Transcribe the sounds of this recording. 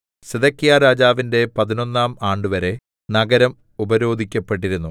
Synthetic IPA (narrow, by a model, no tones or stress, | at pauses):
seðɐkːijaːɾaːd͡ʑaːʋinde̞pɐðino̞nːaːmaːɳɖɨʋɐɾe̞ | nɐɡɐɾɐm | ubɐɾo̞ːd̪ʱikʲːɐpːe̞ʈ̬ːiɾunːu